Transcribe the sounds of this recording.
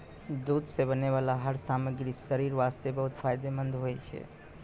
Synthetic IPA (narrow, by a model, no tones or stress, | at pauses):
d̪ud̪sebəneβalaɦəɾsaməɡɾisəɾiɾʋast̪ebəɦut̪pʰajd̪emənd̪ʱɦojt͡ʃʰɛ̰